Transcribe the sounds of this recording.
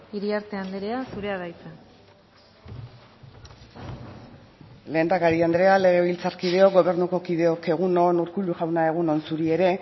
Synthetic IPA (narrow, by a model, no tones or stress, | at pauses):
iɾiaɾt̪e̞and̪eɾeasuɾe̞aðajt͡sa | le̞ːnd̪akaɾiand̪ɾe̞ale̞ɣ̞e̞β̞ilt͡sarkið̞e̞o̞ɡo̞βe̞ɾnuko̞kið̞e̞o̞ke̞ɣ̞uno̞nuɾkuʎuʝawnae̞ɣ̞uno̞nsuɾie̞ɾe̞